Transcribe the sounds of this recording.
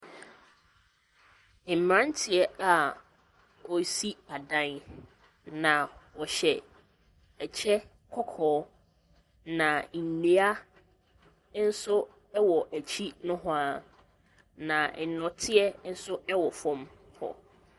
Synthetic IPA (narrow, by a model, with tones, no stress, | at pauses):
mɾã˦n˦tʰɪ˨ɛ˦a˨ | ɔ˨˦si˦a˨dã˦n | nã˨wɔ˨ɕɛ˨ | ɛ˨t͡ɕʰɛ˦ | kʰɔ˦kʰɔː˨˦ | nã˨ne˨˦a˦ | n̩˦sʊ˦ | ɛ˦wɔ˨ʔæ˨t͡ɕʰi˦nʊ̃˦ɦɔ̃˦a˨ | nã˨nɔ̃˨tʰɪ˦ɛ˦n̩˦sʊ˦ɛ˦wɔ˨fɔ̃˦m | hɔ̰˨